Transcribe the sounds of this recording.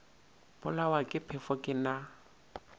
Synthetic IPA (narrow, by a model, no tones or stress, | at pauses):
pʊlawakʼɪpʰɛfɔkʼɪna